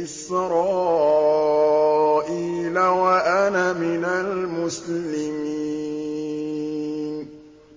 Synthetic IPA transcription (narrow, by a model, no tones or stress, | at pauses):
ɪsɾɑː | ʔiːlawaʔanamɪnalmʊslɪmi | n